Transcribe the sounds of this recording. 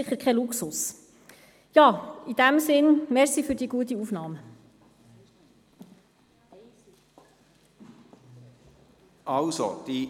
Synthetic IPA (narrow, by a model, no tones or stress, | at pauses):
ɪχəɾkʰɛluksʊs | jɑːid̥̪æmsɪnmɛɾsifyɾdiːəɡ̥uət̪̬iuːfnɑːmə | ʔɑlso̰d̥i